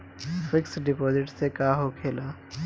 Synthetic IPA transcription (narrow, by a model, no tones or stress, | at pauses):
fɪksɖɪpoːzɪʈsekaːɦokʰeːlaː